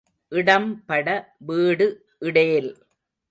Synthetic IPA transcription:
ʔɪɽɐmpɐɽɐʋiːɽɯ | ʔɪɽeːl

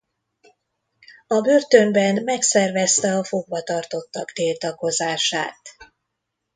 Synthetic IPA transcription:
ɒbørt̪ø̞mbɛnmɛksɛrvɛst̪ɛɒfo̞ɡ̚bɒt̪ɒrt̪o̞t̪ːɒɡd̪iːlt̪ɒko̞zaːʃa̰ːt̪

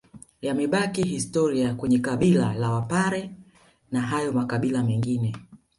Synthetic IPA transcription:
jamɛɓakiɦistɔɾiakwɛɲɛkaɓilalawapaɾɛ | naɦajɔmakaɓilamɛŋɡinɛ

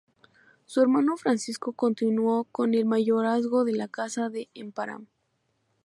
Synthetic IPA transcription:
sueɾmano̞fɾansisko̞ko̞nt̪inwo̞ko̞ne̞lmaʝo̞ɾazɣo̞ðe̞lakasaðe̞ʔempaɾa̰m

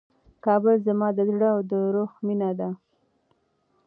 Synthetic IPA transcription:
kɑbəlzamɑd̪əzɽəawd̪əɾoxminad̪a

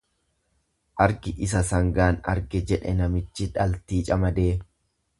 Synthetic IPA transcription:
ʔɐɾɡɪʔɪsɐsɐŋɡaːnɐ̰ɾɡɛd͡ʒɛᶑɛnɐmɪt͡ʃːɪᶑɐlt̪iːt͡ʃʼɐmɐd̪eː

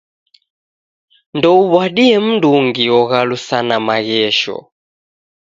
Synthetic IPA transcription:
ndɔuβwaɗiɛm̩nduŋɡiɔɣalusanamaɣɛʃɔ̰

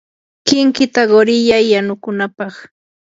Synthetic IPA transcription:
kɪŋkɪt̪aɢoɾɪʎajːanʊkʊnapɑχ

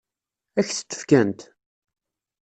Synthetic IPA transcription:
æçθə̥t͡sːə̥fkænt̪

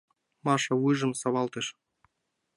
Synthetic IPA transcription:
mɑʂɑwɨʐɤ̆msɑβɑlˠt̪ɤ̆ʃ

